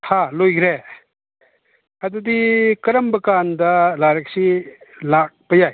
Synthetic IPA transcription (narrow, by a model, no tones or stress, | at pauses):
halojɡɾe | ɐdudikɐɾɐmbɐkandɐlaɾɐk̚silak̚pɐjaj